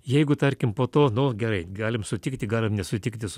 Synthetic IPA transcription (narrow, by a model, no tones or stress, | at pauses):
jɛɪɡʊt̪ɐɾʲkʲɪmpoːt̪oːnʊɡʲɛɾɐɪɡɑːlʲɪmsʊt̪ʲɪkt̪ʲɪɡɑːlʲɪmnʲɛsʊt̪ʲɪkt̪ʲɪs